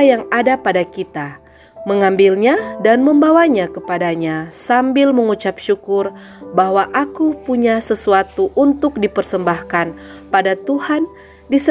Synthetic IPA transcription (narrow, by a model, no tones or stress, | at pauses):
jaŋadapadakit̪a | məŋambilɲadanməmbawaɲakəpadaɲasambɪlməŋut͡ʃap̚ʃukʊr | baɦwaʔakupuɲasəsuat̪uʔunt̪ʊk̚dipərsəmbahkan | padat̪uhan | dis